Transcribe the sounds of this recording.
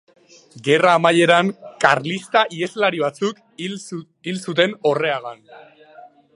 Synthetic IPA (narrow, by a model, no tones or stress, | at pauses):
ɡe̞raːmaʎe̞ɾaŋkaɾlist̪aʔie̞zlaɾiβ̞at͡suk | ilsut̪e̞no̞re̞aɣan